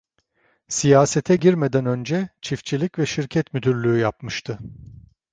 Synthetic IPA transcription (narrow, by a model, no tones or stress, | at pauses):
sijaːset̪ʰɛɟiɾmed̪ænø̞nd͡ʒɛt͡ʃʰift͡ʃʰilʲicvɛʃiɾcʰɛt̪myd̪yɾlʲyːjapmɯʃt̪ʰɯ